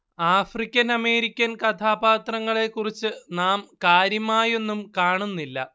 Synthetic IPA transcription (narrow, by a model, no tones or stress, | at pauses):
aːfrikʲːɐnɐme̞ːɾikʲːɐnkɐt̪ʰaːbaːt̪rɐŋːɐɭe̞kːurit͡ɕːɨnaːmkaːɾjɐmaːje̞nːumkaːɳunːilːɐ̰